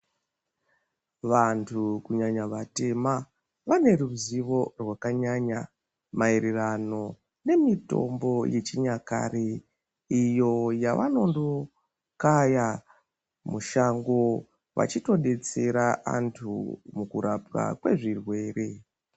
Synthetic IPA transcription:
ʋantʰukuɲaɲaʋate̞ma | ʋane̞ruziʋo̞rwakaɲaɲa | maeɾerano̞ | ne̞mito̞̰mbo̞je̞t͡ʃiɲaka̰ɾe | ijo̞jaʋa̰no̞ndo̞ | kaja | muʃaŋɡo̞ | ʋa̰t͡ʃito̞ɗe̞t͡se̞ɾaa̰ntʰṵmukuɾʔap̚ka̰kwe̞̰ʐirwe̞ːrʔe̞

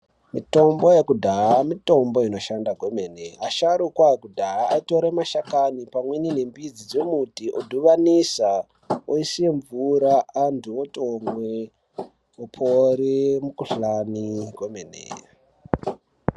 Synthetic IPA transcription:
mḭto̞mbo̞jekudʱaamito̞mbo̞ino̞ʃandaɡʱo̞me̞neaʃaɾukwajekudʱaaːito̞ɾemaʃakanipamwe̞nine̞mbid͡zid͡zemutiʔodʱuʋanisa | oisie̞ɱvuɾaantʰuotomwe | opʰoɾemukuɬaniɡʱwomenḛ

